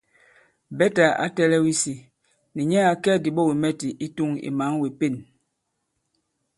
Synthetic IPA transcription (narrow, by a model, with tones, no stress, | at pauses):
bɛ˦ta˨a̰˦tɛ˦lɛ˦wi˦si˨ | ni˨ɲɛ˦a˨kɛ˦˨di˨ɓɔ˦˨wi˨mɛ˦ti˨ʔi˦tu˦ŋḭ˨ma˨˦ŋwe˨pe˦˨n